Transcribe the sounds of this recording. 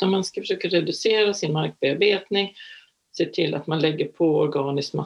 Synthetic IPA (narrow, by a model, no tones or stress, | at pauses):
amanskafəʂøːkaɾɛd̪ɵseːɾasɪnmaɾk̚beːaɾbeːt̪nɪŋ | seːt̪ʰɪlːʔa̰t̪manlɛɡːəɾpʰɔɔɾɡɑːnɪsma̰